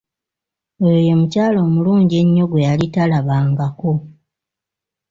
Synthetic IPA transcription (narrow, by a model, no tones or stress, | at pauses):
eojo̞mucaːlo̞ːmuluːɲɟe̞ɲːo̞ɡwe̞jalitalaβaːŋɡako